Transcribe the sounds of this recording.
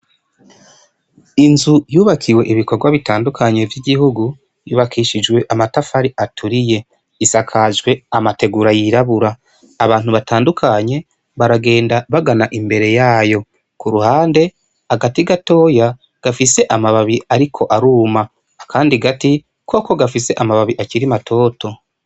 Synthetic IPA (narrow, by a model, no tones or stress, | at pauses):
inzujuːβakʰiwe̞ʔiβiko̞ɾɡwaβitaːndukʰaɲe̞vjiɟihuɡu | juːβakʰiːʃid͡ʒɡwe̞ʔamatafaɾiatʰuɾije̞ | isakʰaʒɡwe̞amate̞ɡuɾajiɾaβuɾaː | βaːnhuβataːndukʰaɲe̞ | βaɾaɡe̞ːndaβaɡanaʔimbe̞ɾe̞jaːjo̞ | kuɾuhaːnde̞ | aɡatiɡato̞ːja | ɡ̥afise̞ʔamaβaβiaɾikʰo̞ʔaɾuːma | kʰaːndiɡati | ko̞ːko̞ɡafise̞ʔamaβaβiʔaciɾimatʰo̞ːto̞